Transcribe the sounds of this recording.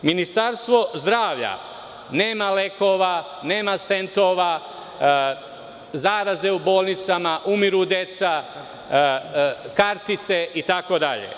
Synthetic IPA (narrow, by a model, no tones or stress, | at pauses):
minist̪aɾst̪ʋo̞zd̪ɾaːʋʎa̰ | ne̞ːmale̞ko̞ʋa | neːmast̪e̞nt̪oʋa | zaːɾaze̞ubo̞ːlˠnit̪samaʔumiɾud̪e̞t̪sa | kaɾt̪it̪se̞ʔit̪ako̞d̪aʎḛ